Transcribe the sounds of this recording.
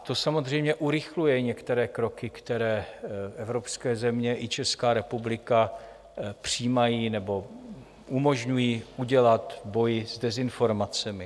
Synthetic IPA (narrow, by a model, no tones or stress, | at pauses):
t̪o̞samozr̝ɛjmɲɛʔuɾɪxlujɛɲɛkt̪ɛɾɛːkɾo̞kɪkt̪ɛɾɛːʔɛvɾo̞pskɛːzɛmɲɛʔɪt͡ʃɛskaːɾɛpublɪka | pr̝̥iːmajiːnɛbo̞ | ʔumo̞ʒɲujiːʔuɟɛlat̪bo̞jɪzdɛzɪnfo̞ɾmat͡sɛmɪ